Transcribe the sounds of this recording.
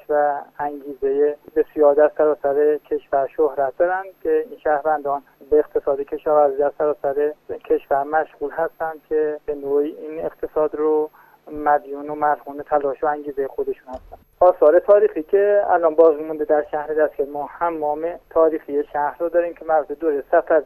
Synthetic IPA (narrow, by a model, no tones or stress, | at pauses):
vææŋɡiːzejebesijɒːɾd̪æɾsæɾɒːsæɾecʰe̞ʃfæɾʃohɾæt̪̚ʰd̪ɒːɾænd̪kʲʰe̞iːnʃæhvænd̪ɒːn | beːqt̪ʰe̞sɒːd̪ekʰe̞ʃɒːvæɾziːd̪æɾsæɾɒːsæɾecʰe̞ʃvæɾmæʃɣuːlɦæst̪ænd̪̥̚kʲʰebe̞noːiːʔineqt̪ʰe̞sɒːd̪ɾo | mæd̪juːnomælhuːnet̪ʰælɒːʃoæŋɟiːzejexod̪e̞ʃunhæst̪ænd̪ʔɒːsɒːɾet̪ʰɒːɾiːxiːcʲʰe̞æ̰lɒnbɒːzmmũnd̪ed̪æɾʃæhɾed̪æskʲæɾmɔːhæmːɒːmet̪ʰɒːɾiːxijeʃæhɾod̪ɒːɾiːmcʰemæɾut̪ʰed̪oɾesæfæɾ